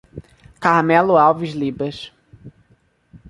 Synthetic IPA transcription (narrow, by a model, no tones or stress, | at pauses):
kaɾmɛlʊawvizlibɐʃ